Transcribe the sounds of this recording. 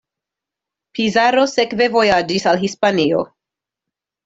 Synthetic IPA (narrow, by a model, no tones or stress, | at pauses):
pʰizaɾo̞se̞kve̞vo̞jad͡ʒisalɦispanio̞̰